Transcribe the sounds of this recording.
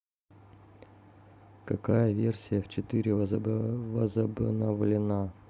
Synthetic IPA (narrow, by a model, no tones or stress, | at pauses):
kɐkajəvʲe̞rsʲɪjəft͡ɕɪt̪ɨɾʲɪ | vəzəbnəvlʲɪna